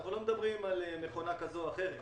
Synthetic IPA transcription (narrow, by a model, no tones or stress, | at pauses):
aχnulo̞med̪abʁimalene̞χo̞nakazoaχe̞ʁe